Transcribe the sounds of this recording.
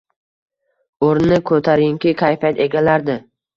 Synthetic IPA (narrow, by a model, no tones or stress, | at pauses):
oɾnɪkʰɵt̪ʰaɾɪŋkʲɪkʲʰajfat̪e̞ɡʲalaɾd̪ɪ